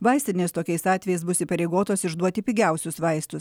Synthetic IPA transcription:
ʋɐɪsʲt̪ʲnʲeːst̪oːkʲɛɪsɑːt̪ʲɛjɛɪsbʊsʲiːpɐɾʲɛɪɡoːt̪oːsɪʒd̪uɔt̪ʲɪpʲiːɡʲɛˑʊsʲʊsʋɐɪst̪ʊs

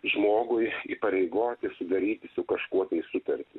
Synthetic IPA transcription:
ʒmoːɡʊjipɐɾʲɛɪɡoːt̪ʲɪsʊd̪ɐɾʲiːt̪ʲɪsʊkɐʃkuɔt̪ɐɪsʊt̪ɐɾʲt̪ʲɪ

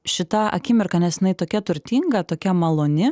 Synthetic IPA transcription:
ʃʲɪt̪ɐɐ̰kʲɪmʲɪɾkɐnʲɛsʲɪnɐɪt̪oːkʲɛt̪ʊɾʲt̪ʲiːŋɡɐt̪oːkʲɛmɐlˠoːnʲɪ

